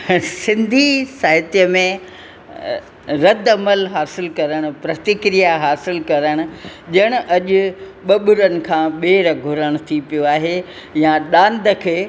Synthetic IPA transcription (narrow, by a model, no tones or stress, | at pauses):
sɪ̃nd̪ʱisaːɦɪt̪ijəmẽ | ɾɐd̪ɐməlɦaːsɪlkɐɾəɽ̃ʊ̆pɾɐt̪ɪkɾijaɦaːsɪlkɐɾəɽ̃ʊ̆ʄɐɽ̃ʊ̆ʔɐʄʊ̆ | ɓɐɓʊɾənɪ̆kʰãːɓeːɾɡʱʊɾəɽ̃ʊt̪ʰipijoaːɦe | jãɗãːnd̪ʱəkʰeː